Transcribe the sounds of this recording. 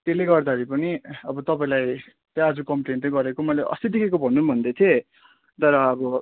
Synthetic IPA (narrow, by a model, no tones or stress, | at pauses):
t̪eleɡʌrd̪aʌɾipʌniʌbʌt̪ʌpaĩlaj | t̪ʌʌd͡zukʌmplent̪ʌ̃ɡʌɾekomʌjleʔʌ̰st̪id̪ikʰekobʱʌnːunbʱʌnd̪et̪ʰie | t̪ʌɾʌːbʌ